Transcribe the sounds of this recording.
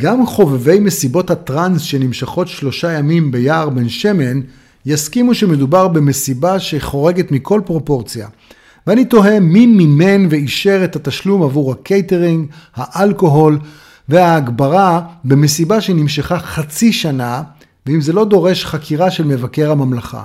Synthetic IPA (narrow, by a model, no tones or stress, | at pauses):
ɡamχo̞veve̞jme̞sibo̞that̪ʁansʃe̞nimʃaχo̞tʃlo̞ʃajamimbe̞jaːʁbe̞nʃe̞me̞n | jaskimuʃeme̞dubaʁbe̞me̞sibaʃe̞χo̞ʁe̞ɡe̞tmikʰo̞lpʁo̞po̞ʁt͡sija̰ | veanit̪o̞ɦe̞mimime̞nveiʃe̞ʁethataʃlumavuʁakʰejte̞ʁiŋɡhaʔalko̞ɦo̞l | ve̞aːɡbaʁabeme̞sibaʃenimʃaχaχat͡siʃana | veimze̞lo̞d̪o̞ʁe̞ʃχakʰiʁaʃe̞lme̞vake̞ʁhamamlaχa̰